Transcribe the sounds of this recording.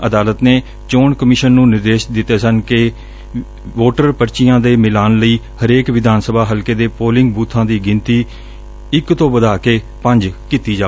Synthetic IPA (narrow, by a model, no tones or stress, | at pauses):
əd̪aːlət̪neː | t͡ʃoːɳkəmɪʃənːũːnɪɾd̪eːʃd̪ɪt̪ːeːsənke | ʋoːʈəɾpəɾt͡ʃɪjãːd̪eːmɪlaːnləiː | həɾeːkʋɪd̪ʱaːnsəbʱaːɦəlkeːd̪eːpoːlɪ̃ŋɡ̚buːt̪ʰːãːd̪iːɡɪnt̪iː | ɪkt̪õːbəd̪aːkeː | pə̃ɲd͡ʒkiːt̪iːd͡ʒaː